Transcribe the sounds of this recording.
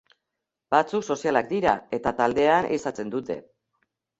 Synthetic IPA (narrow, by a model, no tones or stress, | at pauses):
bat͡sukso̞sialak̚d̪iɾae̞t̪at̪ald̪e̞anʔḭsat͡se̞nd̪ut̪e̞̰